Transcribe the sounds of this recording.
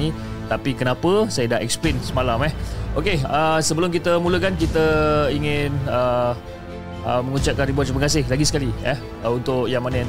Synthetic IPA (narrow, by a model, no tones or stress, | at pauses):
i | t̪apikənapəsajadaʔɛk̚splensəmalamɛhokeəsəbəlʊmkit̪əmuləkank̬it̪əiŋɪnə | əməŋut͡ʃaʔ̚kanribɔt̪̚t͡ʃuməkas̬ɪhlaɡisə̥kaliɛ | əunt̪ʊkjaŋmanaja